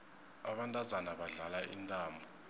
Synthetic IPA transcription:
aɓantʼazanaɓaɮalaʔḭntʼaːmbʱɔ

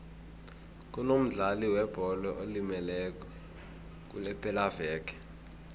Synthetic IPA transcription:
k̬ʼunom̩ɮaliwɛb̥ʱɔlɛʔolimɛlɛk̬ʼɔ | k̬ʼṵlɛpʼɛlavɛːkɛ̥

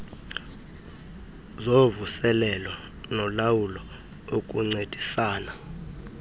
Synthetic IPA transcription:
zovusɛlɛlɔ | nɔlawulɔ | ok̬ʼuŋ͡ǀed̥ʱisaːna

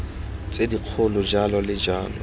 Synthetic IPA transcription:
t͡sʼediq͡χʰʊlʊd͡ʒalɔlɪd͡ʒaːlɔ

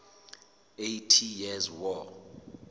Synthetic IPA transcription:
ejtʰijɛzwɔ

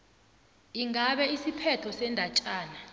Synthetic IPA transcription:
iŋaɓɛisipʰɛt͡ɬʰɔsɛndʱat͡ʃʼaːna

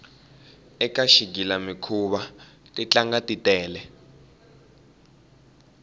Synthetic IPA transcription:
ɛkaʃiɡ̬ilamikʰuɓatʼit͡ɬaŋɡatʼitʼɛːlɛ

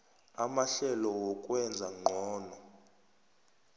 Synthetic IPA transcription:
amaɬɛlɔwɔkʼwɛnd͡zʱaŋ͡ǃʱɔːnɔ

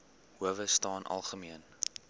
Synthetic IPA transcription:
huəvəstɑːnʔɐ̰lˠχəmiən

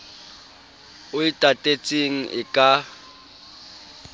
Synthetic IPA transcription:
ʊɪtʼatʼet͡sʼeŋ̩ʔɪkʼa

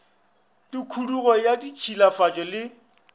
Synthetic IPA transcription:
dikʰuduɣɔjadit͡ʃʰilafat͡ʃʼɔlɪ

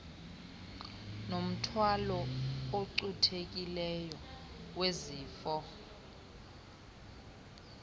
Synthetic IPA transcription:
nom̩tʰwalɔoǀutʰek̬ʼilɛjɔ | weziːfɔ

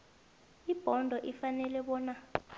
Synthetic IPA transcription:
ib̥ʱɔndʱɔʔifanɛlɛɓɔːna

